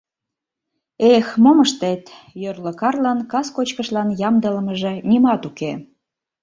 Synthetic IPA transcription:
exmoməʃt̪et̪jørlə̆kɑrlɑnkɑskot͡ɕkəʃlɑnjɑmd̪ələməʒĕnimɑt̪uke

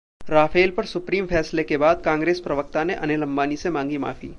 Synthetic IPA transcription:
ɾaːfʰeːlpɐɾsʊpɾiːmfʰɛːslekebaːd̪̚kãːŋɡɾeːspɾɐʋək̚t̪aneʔɐnelɐ̃mbaːnisemãːŋɡima̰ːfḭː

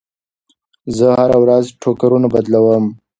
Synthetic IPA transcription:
zəhaɾawɾazʈʰokaɾunabad̪lawəm

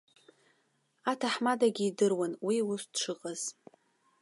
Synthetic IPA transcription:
atʰaħmadaɡʲiːdɨrwanwiusʈ͡ʂʷʰɨqʼaz̥

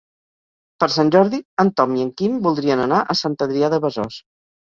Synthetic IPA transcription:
pəɾsanʲʒɔɾðiənt̪ɔmiəŋkimbulˠd̪ɾiənənaʔəsant̪əðɾiaðəβəzɔs

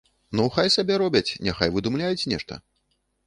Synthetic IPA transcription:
nɔwxajsabʲɛɾɔbʲɐt͡sʲnʲaxajvɨd̪umlʲajut͡sʲnʲɛʂt̪ɐ̰

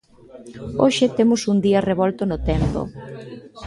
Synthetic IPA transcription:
oʃɪt̪emʊsund̪iɐreβɔlt̪ʊnʊt̪ɛmpo̰

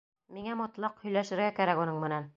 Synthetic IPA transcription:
miŋæmɒt̪lˠɑqhɵ̆jlæʃɘ̆ɾɡækæɾækunɤɴmɘ̆næn

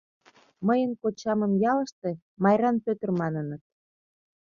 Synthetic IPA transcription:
məjənkot͡ɕɑmə̆mjɑlə̆ʃt̪e | mɑjɾɑnpøt̪ə̆rmɑnənət̪̚

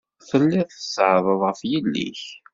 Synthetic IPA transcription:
θəlːɪðˤθəsʕðˤəðˤʁəfjəlːḭç

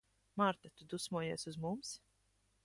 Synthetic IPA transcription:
maɾt̪at̪ud̪usmuɔjiɛsuzmums

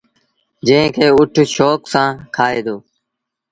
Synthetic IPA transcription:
d͡ʒə̃ɦɪ̃kʰeːʊʈʰʃoːksãːkʰaːeːd̪oː

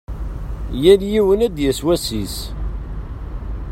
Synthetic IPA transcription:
jænjiwənæd̪jæswæsis

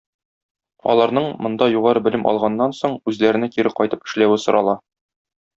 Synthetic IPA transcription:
ɒ̰lˠɑɾnɤɴmŏnd̪ɑjuʁɑɾɤbɘ̆lɘmʔɒ̰lˠʁɑnːɑnsoɴʉzlæɾɘ̆nækiɾɘqɒjt̪ɤpɘ̥̆ʃlæwɘsŏɾʔɑlˠɑ

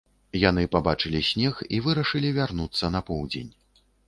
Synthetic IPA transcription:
jan̪ɨpabat͡ʂɨlʲisʲnʲɛxivɨɾɐʂɨlʲivʲarnut̪sːɐnɐpɔwd͡zʲḛnʲ

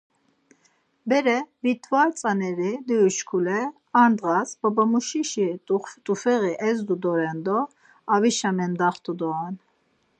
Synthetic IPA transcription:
bɛɾɛvit̪ʰvalt͡sʼanɛɾid̪ujuʃkʰulɛ | and̪ʁasbɔbamuʃiʃit̪ʼt̪ʼufɛɣiʔɛzd̪ud̪ɔɾɛnd̪ɔ | aviʃamɛnd̪aχt̪ʰud̪ɔan

